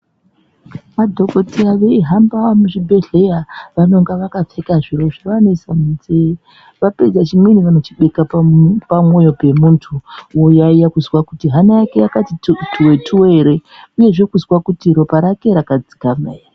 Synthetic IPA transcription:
madʱo̞ɡotʰeaʋe̞iɦambamuʐibʱe̞ɮe̞jaʋano̞ŋɡaʋakap͡fekaʐiro̞ʐiʋano̞isamunzei | ʋaped͡zat͡ʃimweniʋano̞t͡ʃiɓekappamo̞jope̞muntʰuwojaijakuzwakutiɦanajake̞jakatitʰuwetʰuwe̞ɾeuje̞ʐekuzwakutiɾo̞paɾake̞ɾakad͡zi̥kamḛːja

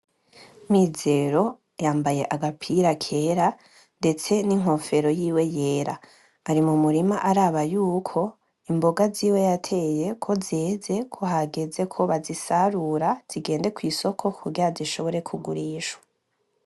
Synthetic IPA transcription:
mize̞ɾo̞ | jaːmbaje̞ʔaɡapʰiɾakʰe̞ɾa | nde̞t͡se̞niŋ̥ɦo̞fe̞ɾo̞jiːwe̞je̞ːɾaː | ɾimumuɾimaʔaɾaβajuːkʰo̞ | imbo̞ɡaziːwe̞jatʰe̞je̞kʰo̞zeːze̞kʰo̞ɦaɡe̞ze̞kʰo̞βazisaɾuɾaz̥iɡe̞ːnde̞kwiːso̞kʰo̞kʰuɡiɾaziʃo̞βo̞ɾe̞kʰuɡuɾiːʃwḁ

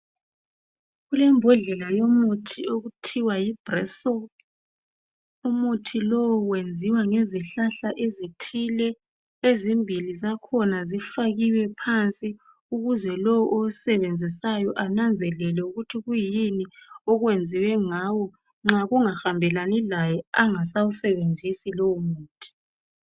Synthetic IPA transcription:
ɣulɛmbʱɔɮɛlajomutʰioɣutʰiwajib̥rɛsɔ | umutʰilɔwɔwend͡zʱiwaŋeziɬaɬaʔezitʰilɛ | ezimbʱilizakʰɔnazifaɣiwɛpʰant͡sʼi | uɣuzɛlɔwɔʔousɛβend͡zʱis̬ajɔʔanand͡zʱɛlɛlɛuɣutʰiɣujiniɔɣwend͡zʱiwɛŋaːwɔ | ŋ͡ǁaɣuŋaxambʱɛlanɛlajɛaŋasawusɛβend͡zʱisilɔumuːtʰi̥

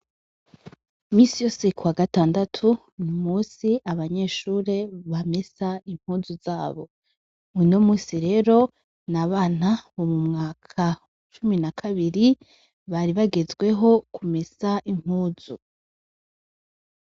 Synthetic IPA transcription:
miːsijo̞ːse̞kuwaɡataːndatʰu | nimuːsiʔaβaɲe̞ːʃuːɾe̞βame̞saiŋ̥huːzuzaːβo̞ | inomuːsiɾe̞ːɾo̞ | naβaːnaβomumŋaːkʰa | t͡ʃuminakʰaβiɾi | βaɾiβaɡe̞zɡwe̞ɦo̞kʰume̞saʔiŋ̥huːz̥u

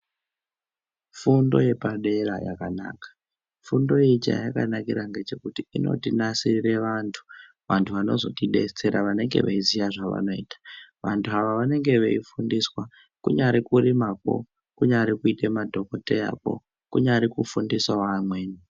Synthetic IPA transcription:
fundo̞̰je̞paɗe̞ɾajakana̰ːkḁ | fundo̞jeit͡ʃa̰jaka̰nakiɾaŋɡe̞t͡ʃe̞kutiino̞̰tinasiire̞ʋantʰu̥ | ʋantʰuʋano̞zo̞tiɗe̞̰t͡se̞ɾaʋane̞ŋɡe̞̰ʋḛizijaʐaʋa̰no̞iːtḁʋantʰuɦaʋaʋane̞ŋɡe̞ʋeifundiswa | kuɲaɾikuɾimako̞̰ | kuɲaɾikuitemadʱo̞ko̞te̞ja̰ko̞̰ | kuɲaɾikufundiswawamweːni

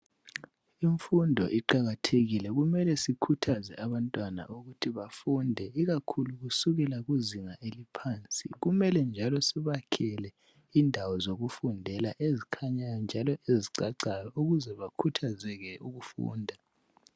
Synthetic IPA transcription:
iɱfundʱɔ̰ʔiǃaɣatʰeɣilɛɣumɛlɛsikʰutʰazɛ̰ʔaβantʼwana̰ʔuɣutʰiβafundʱɛiɣakʰuluɣusuɣɛlaɣuziŋaʔelipʰaːnt͡sʼḭɣumɛlɛnd͡ʒʱalɔsiβakʰɛlɛ | indʱawɔzoɣufundʱɛlaʔezikʰaɲajɔnd͡ʒʱalɔʔeziǀaǀajɔuɣuzɛβakʰutʰazɛɣɛuɣufṵːndʱa

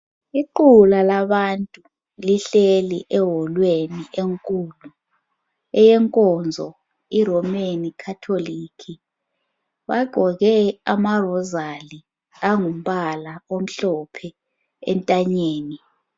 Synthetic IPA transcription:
iǃulalaɓantʼu | liɬeliʔɛɦɔlweniʔeŋkʼuːlu | ɛjɛŋkʼɔnd͡zʱɔ | iɾɔmenikʰatʰolikʰi | ɓaɡ͡ǃ̥ʱɔɣɛamarɔzali | aŋum̩ɓalaom̩ɬɔpʰɛ | ɛ̰ntʼaɲeːni

